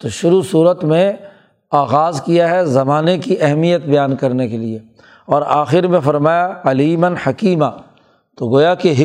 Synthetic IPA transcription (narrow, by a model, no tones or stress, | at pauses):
t̪oʃʊɾusuːɾət̪mẽ | aːɣaːzkijaɦɛzɐmaːnekiʔɛɦmijət̪bɐjaːnkɐɾnekelie | ɔːɾaːxɪɾmẽfɐɾmaːjaɐliːmənħɐkiːmaː | t̪oɡoːjakeɦɪ